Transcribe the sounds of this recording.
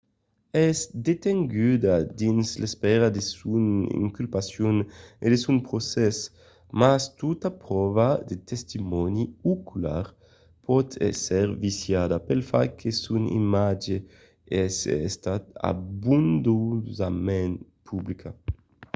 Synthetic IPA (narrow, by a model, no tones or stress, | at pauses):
ɛzd̪et̪eŋɡyd̪ad̪inslespɛɾad̪esunḭŋkylpasjuned̪esunpɾosɛs | mast̪ut̪apɾɔvad̪et̪est̪imɔniukula̰ɾ | pʰɔt̪ʰɛ̰sɛɾvisjad̪apelfakʰesunḭmad͡ʒe | ɛsɛst̪at̪a̰bund̪uzamen | pʰublikʰa